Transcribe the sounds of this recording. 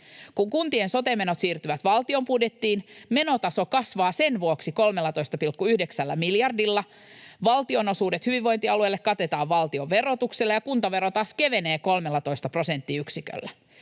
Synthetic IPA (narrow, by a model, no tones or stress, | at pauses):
kuŋkunt̪ienso̞t̪emːenot̪siːrt̪yʋæt̪ʋɑlt̪io̞mpudjet̪ːiːnme̞no̞t̪ɑso̞kɑsʋɑːsenʋuoksiko̞lmelːɑt̪ojst̪ɑpilkːuyhdeksælːæ̰miljɑrdilːɑ | ʋɑlt̪io̞no̞suːdet̪hyʋiʋːo̞jnt̪iɑluelːekkɑt̪e̞t̪ɑːʋʋɑlt̪ioʋʋe̞rot̪ukselːejɑkunt̪ɑʋe̞ɾot̪ɑːske̞ʋe̞ne̞ːko̞lmelːɑt̪o̞ist̪ɑpro̞se̞nt̪ːiyksikø̰lːæ